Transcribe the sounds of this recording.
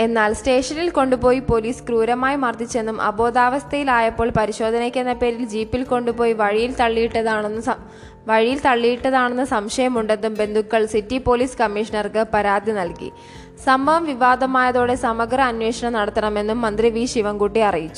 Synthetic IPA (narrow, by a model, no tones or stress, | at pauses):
e̞nːaːlste̞ːʂɐnilko̞ɳɖupo̞ːjipo̞liːskruːɾɐmaːjimɐrd̪it͡ɕːe̞nːumʔɐ̰bo̞ːd̪aːʋɐst̪ʰɐjilaːjɐpːo̞ːɭpɐɾiɕo̞ːd̪ʱɐnɐkʲːenːɐpe̞ːɾild͡ʑiːpːilko̞ɳɖupo̞ːjiʋɐɻijilt̪ɐɭːijiʈːɐðaːɳnː | ʋɐɻijilt̪ɐɭːijiʈːɐðaːɳenːɐsɐmʂɐjɐmuɳɖe̞nːumbe̞nd̪ʱukːɐɭsitːipo̞liːskɐmːiʂɐnɐrkɨpɐɾaːd̪jinɐlkḭ | sɐmbʱɐʋɐmʋiʋaːd̪ɐmaːjɐðo̞ːɽe̞sɐmɐɡrɐːnwe̞ːʂɐɳɐmnɐɽɐt̪ːɐɳɐme̞nːumːɐnd̪riʋiːʂiʋɐmkuʈːiɐrijit͡ɕːu̥